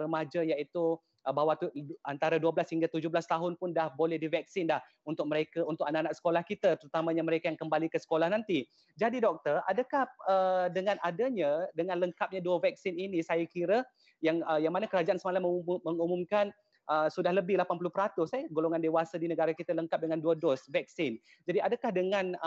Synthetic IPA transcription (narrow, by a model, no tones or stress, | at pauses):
rəmad͡ʒajaʔit̪u | əbawat̪uant̪aɾaduəblashiŋɡat̪ud͡ʒʊhbəlast̪aɦʊnpʊndahbolɛhdivɛk̚sɪndah | unt̪ʊk̚məɾekaunt̪ʊk̚anaʔanaʔsə̥kolahkit̪at̪əɾut̪amãɲaməɾekajaŋkəmbalikəsə̥kolahnant̪i | d͡ʒadidɔk̚t̪əra̰dakahədəŋãnʔadaɲadəŋanləŋkap̚ɲaduəvɛk̚sɪninisajakiɾə | jaŋəjaŋmanakəɾad͡ʒaʔansəmalamːəməŋumumkan | ʔəsudahləbɪhlapanpulʊhpəɾat̪ʊsajaɡoloŋandewasadinəɡaɾakit̪aləŋkap̚dəŋanduədɔsvɛk̚sɪn | d͡ʒadiadakahdəŋãn